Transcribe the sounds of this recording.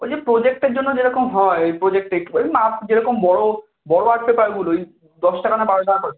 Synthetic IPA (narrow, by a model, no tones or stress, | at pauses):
od͡ʑepɾod͡ʑek̚ʈeɾd͡ʑonːod͡ʑeɾɔkomɦɔepɾod͡ʑek̚ʈekejapd͡ʑeɾɔkombɔɽo | bɔɽoaʈ̚pepaɾɡuloej | d̪ɔʃʈakanabaɾod͡ʒʱanakɔɾe